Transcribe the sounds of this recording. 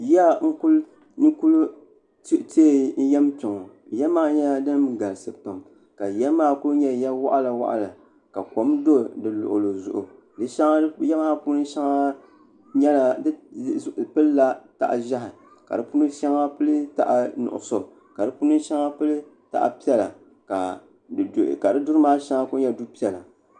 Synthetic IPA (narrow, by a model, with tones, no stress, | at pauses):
ja˦ŋ̩˦ku˦l | nɨ˦ku˦lu˦ | ti˦te˦n̩˦jɛ˦mpɪ˨ŋɔ˨jɛ˦maː˦ɲɛ˦a˨dɨ˦n˦m˦ɡa˨lsɨ˨pa˨m | ka˨jɛ˦maː˦˨ku˦lɲɛ˦˨ja˦wa˦ʔa˦la˨wa̰˦ʔa̰˨la˨ | ka˨ko˨˦mdo˦˨dɨ˨lʊ̰˨ʔʊ˨lo˨zʊ˨ʔʊ̰˨ | dɨ˦ʃa˦ŋa˦jɛ˦maː˦pu˦nɨ˦ʃa˦ŋa˦ | ɲɛ˦la˨d | pɨ˦lːa˦ta̰˨ʔʒa˦ɦɪ˨ | ka̰˨dɨ˦pu˦nɨ˦nʃa˦ŋa˦pɨ˦lɨ˦ta̰˨ʔa˨nʊ̰˨ʔʊ̰˨so˨ | ka˨dɨ˦pu˦nɨ˦ʃa˦ŋa˦pɨ˦lɨ˦ | ta̰˨ʔa̰˨pi˦ɛ˦la˨ | ka˨ | ka˨dɨ˦dʊ˦ɾɨ˦maː˦ʃa˦ŋa˦ku˦ɲɛ˦du˦pi˦ɛ˨la˨